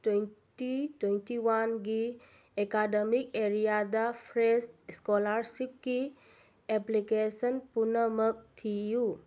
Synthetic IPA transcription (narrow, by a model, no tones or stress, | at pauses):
twentitwentiwanɡi | ekademik̚eɾijadapʰɾesskolaɾsikːi | eplikesənpunɐmɐk̚tʰiju